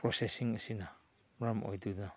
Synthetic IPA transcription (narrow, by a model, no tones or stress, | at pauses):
pɾosesiŋɐsina | ɾamo̰jduda